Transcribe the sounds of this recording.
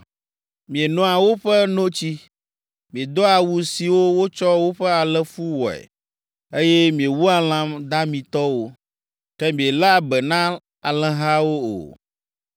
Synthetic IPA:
mĩ˨e˨nɔ̃˦a˨wo˦ɸɛ˦nõ˦t͡ɕi˦ | mĩ˨e˨d̪ɔ˦a˨wu˨si˨wo˦wo˦t͡ʃɔ˦wo˦ɸɛ˦a˨lɛ˦fu˦wɔ˨ɛ̰˨ | e˦jɛ˦mĩ˨e˨wu˦a˨l̃ã˦md̪a˦mĩ˨t̪ɔ˦wo˦ | kɛ˦mĩ˨e˨la˦a˦˨bɛ˨nã˦ | a˨lɛ̃˨ɦa˦wo˦o̰˨

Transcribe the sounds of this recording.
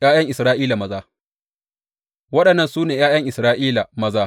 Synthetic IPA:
jaː˦jɐ˦ŋʔɪ˨sɾaː˦ʔiː˦la˨mɐ˦zaː˦ | wɐ˦ɗɐ˨nːɐ˦˨nsuː˦neː˨jaː˦jɐ˦ŋʔɪ˨sɾaː˦ʔiː˦la˨mɐ˦zaː˦

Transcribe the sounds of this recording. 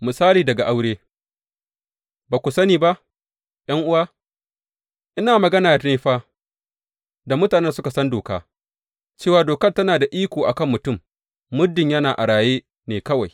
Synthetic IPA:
mɪ˨saː˦liː˨dɐ˨ɡa˨ʔa˦wɽeː˦ | baː˨kʷʊ˨sɐ˦niː˨ba˦ʔ | j̰ɐ˦ŋʔʊ˦waː˦ | ʔɪ˦naː˨mɐ˨ɡɐ˦naː˨te˦ɸaː˦ | da˨mʊ˦taː˨nɛ˦nsʊ˦ka˨sɐ˦ndoː˨ka̰ː˦ | t͡ʃeː˦waː˨doː˨kɐ˦rtɐ˦naː˨da˨ʔiː˦kʷoː˨ʔa˨kɐ˦mːʊ˨tʊ˦˨mː | ʊ˦dɪ˨ɲjɐ˦naː˨ʔa˨ɽaː˨jeː˦ | neː˨kɐ˦wa˨j

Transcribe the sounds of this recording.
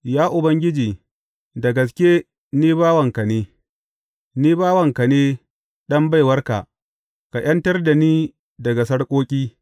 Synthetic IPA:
jaː˦ʔʊ˨bɐ˦ŋɡʲɪ˦d͡ʒiː˨ | dɐ˨ɡɐ˨s̬kʲe˦ | niː˦baː˦wɐ˨ŋkɐ˨neː˦ | niː˦baː˦wɐ˨ŋkɐ˨neː˦ | ɗɐ˦mba˦˨jwɐ˦rka̰˨ʔ | ka˨j̰ʔɐ˦ntɐ˦rda˨niː˦ | dɐ˨ɡa˨sɐ˦ɽkʷʼoː˦kʲʼiː˦

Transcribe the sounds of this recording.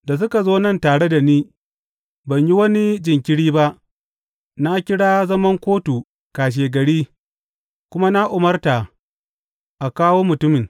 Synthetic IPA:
da˨s̬ʊ˦ka˨zoː˦nɐ˦˨ntaː˨ɽe˦da˨niː˦ | bɐ˨ɲji˦wɐ˦ni˦d͡ʒɪ˨ŋkʲɪ˦ɽiː˦ba˦ʔ | na˦kʲɪ˦ɽaː˦zɐ˦mɐ˦ŋkʷoː˦tu˨ | kaː˨ʃ̬eː˨ɡɐ˨ɽiː˦ | kʷʊ˦ma˦na˦ʔʊ˨mɐ˦rta˨ | ʔa˨kaː˦woː˦mʊ˨tʊ˦mɪ˨ŋ

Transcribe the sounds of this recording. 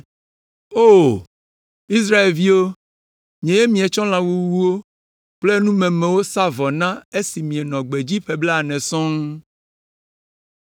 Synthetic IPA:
o˦ | i˦s̬ɾa˦e˨lvi˦wo˦ | ɲɛ̃˨je˦mĩ˨˦ẽ˨t͡ʃɔ̃˦l̃ã˨wu˦wu˦wo˦ | k͡ple˦nũ˦mɛ̃˨mɛ̃˨wo˦sa˦vɔ˨nã˦e˦si˨mĩ˨ɛ˨nɔ̃˨ɡ͡be˨d͡ʑi˦ɸe˦ble˦a˨nɛ̃˨sɔ̃˦ŋ

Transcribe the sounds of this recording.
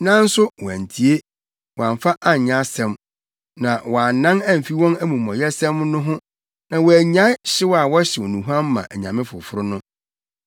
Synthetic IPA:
nã˦n̩˦sʊ˦wɔ˨æ̰̃˨n˨tʰi˨e˦ | wɔ˨ã˨ɱfa˦ʔa˦ɲ˨ɲã˦sɛ̃˦m | nã˨wɔ˨a˨n˦nã˦næ̃˦m̩˨fi˦wɔ̃˦næ˦mũ˨mɔ̃˨jɛ˦sɛ̃˦mnʊ̃˦ɦʊ̃˦ | nã˨wɔ˨æ˨ɲã˨˦ɪ˦ɕɪ˦wa˨wɔ˦ɕɪ˨wɔ˨nũ˨ɦu˦ã˦m˦mã̰˨ʔɛ˨ɲã˨mɪ̃˦fʊ˨fʊ˦ɾʊ˦nʊ̃˦

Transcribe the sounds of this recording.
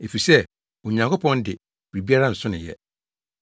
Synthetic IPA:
e˨fi˨sɛ˦ | o˨ɲã˨ŋkʊ˦pʰɔ̃˦ndɪ˨ | b̥ɾi˨bi˦a˦ɾa˦n̩˨sʊ̃˦nɪ̃˨jɛ̰˦

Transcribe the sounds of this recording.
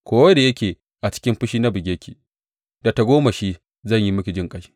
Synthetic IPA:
kʷoː˦wɐ˦da˨jɐ˦kʲeː˨ | ʔa˨t͡ʃɪ̥˦kʲɪ˦mɸʊ˦ʃiː˦na˦bɪ˨ɡʲeː˦kʲiː˨ | d̥a˨ta˨ɡʷoː˦ma˨ʃiː˦ | zɐ˦˨ɲji˦mʊ˦kʲi˨d͡ʒɪ˦ŋkʼɐ˦ʃi̥˦

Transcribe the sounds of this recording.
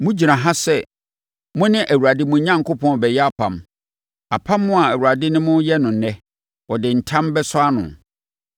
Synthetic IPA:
mʊ̃˦d͡ʑi˨nã˨ɦa˦sɛ˦ | mʊ̃˦nɪ̃˦ʔæ˨wu˨ɾa˨dɪ˦mʊ̃˨˦ɲã˦ŋ˨kʰʊ˦pʰɔ̃˦n˨bɛ˨jɛ˦a˦pʰã̰˨m | a˨pʰã˦mːʊ̃˦a˨æ˨wu˨ɾa˨dɪ˦nɪ̃˦mʊ̃˦jɛ˦nʊ̃˨nɛ˦ | wɔ˨dɪ˨n̩˨tʰã˦mbɛ˦sʊ˦a˦nʊ̰̃˨n

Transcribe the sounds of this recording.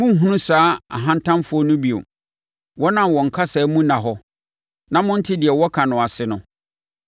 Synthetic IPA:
mʊ̃˦ŋ̩˦ɦũ˦nũ˦saː˦a̰˨ɦã˦n˦tʰã˦mfʊ˦ɔ˦nʊ̃˦bi˨o̰˨ | wɔ˦nã˨mwɔ̃˨ŋ̩˨kʰa˦sɛ˨˦mũ˦nã˨ɦɔ˦ | nã˦mʊ̃˦n̩˦tʰɪ˦dɪ˨ɛ˨wɔ˦kʰa˨nʊ̃˨a˨sɪ˨nʊ̃˦

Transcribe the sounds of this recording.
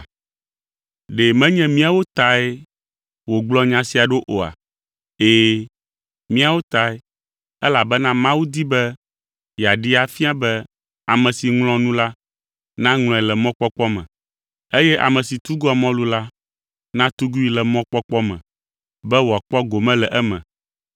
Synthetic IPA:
ɖe˨mɛ̃˦ɲɛ̃˦mĩ˦a˨wo˦t̪a˨e˦ | wo˨ɡ͡blɔ˦ɲã˨si˦a˨ɖo˦ʔo˨a̰˨ | eː˦ | mĩ˦a˨wo˦t̪a˨e˦ | ɛ˦la˨bɛ˦nã˦mã˦wu˦d̪i˦bɛ˦ | ja˨ɖi˦a˨fi˦a˦bɛ˦ | a˨mɛ̃˨si˨ŋlɔ̃˦nũ˦la˦ | nã˦ŋl̃ɔ̃˨ɛ˨lɛ˨mɔ̃˦k͡pɔ˦k͡pɔ˦mɛ̰̃˨ | e˦jɛ˦ʔa̰˨mɛ̃˨si˨t̪u˦ɡɔ˦a˨mɔ̃˦lu˦la˦ | nã˦t̪u˦ɡu˦i˦lɛ˨mɔ̃˦k͡pɔ˦k͡pɔ˦mɛ̰̃˨ | bɛ˦wo˨a˨k͡pɔ˦ɡo˨mɛ̃˦lɛ˨ʔɛ˦mɛ̰̃˨

